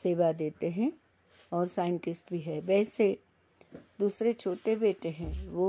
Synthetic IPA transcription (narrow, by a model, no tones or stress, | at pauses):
seːʋad̪eːt̪eɦɛ̃ | ɔːɾsaːɪə̃ɳʈɪsʈbʱiɦɛːbɛːse | d̪uːsɾet͡ʃʰoːʈebeːʈeɦɛ̃ʋo